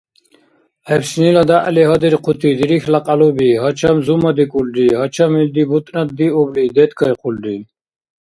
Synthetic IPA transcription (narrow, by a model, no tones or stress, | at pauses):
hɛbsnilɔd̪aʔa̰liɦɔd̪iɾqʰut̪ʰid̪iɾixlaqʼalubiɦɔt͡ʃʰamzumad̪ikʼulɖiɦɔt͡ʃʰamild̪ibut̪ʼnat̪̚d̪iublid̪ɛt̪kʰɔjqʰulɖi